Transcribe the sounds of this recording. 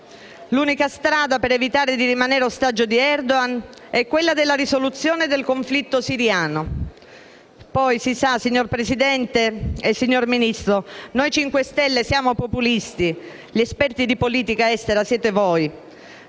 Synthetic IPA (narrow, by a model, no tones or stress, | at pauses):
luːnikast̪ɾaːd̪apeɾevit̪aːɾed̪iɾimaneɾeost̪ad͡ʒːod̪iɛrd̪oanɛkːwelːad̪elːaɾisolut̪sːjoːned̪elkoɱflit̪ːosiɾjaːno | pɔjsisasiɲːorpɾesid̪ɛnt̪eesiɲːorminist̪ɾonojt͡ʃiŋkwest̪ɛlːesjaːmopopulist̪i | ʎiespɛrt̪id̪ipoliːt̪ikaɛst̪eɾasjɛːt̪evoj